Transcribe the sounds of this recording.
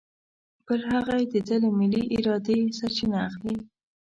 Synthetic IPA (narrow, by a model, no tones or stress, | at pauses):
pəɾɦaɣajed̪ədəlemɪliʔɪɾɑd̪esaɾt͡ʃinaːxli